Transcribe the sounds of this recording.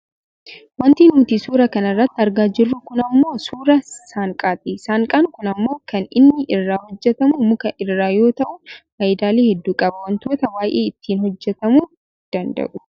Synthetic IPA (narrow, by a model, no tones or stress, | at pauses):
wɐnt̪iːnmʊt̪iːsuːɾɐkɐnɐrːɐt̪ːɪɐɾɡaːd͡ʒɪrːukʊnɐmːo̞ːsuːɾɐsaːŋkʼaːt̪iːsaːŋkʼaːnkʊnɐmːo̞ːkʰɐnɪnːɪʔɪrːaːhɔd͡ʒːɛt̪ɐmumʊkɐʔɪrːaːjo̞ːt̪ɐʔʊnfɐːjɪd̪aːleːhɛd̪ːuːkʼɐbɐwɐnt̪oːt̪ɐwaːʔeːɪt̪ːiːnhɔd͡ʒːɛt̪ɐmuː | d̪̥ɐnd̪ɐ̰ʔʊ